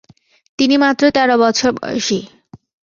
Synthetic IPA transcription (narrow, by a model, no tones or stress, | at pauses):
t̪inimat̪ːɾot̪ɛɾobɔt͡ɕʰoɾbɔ̰ʃi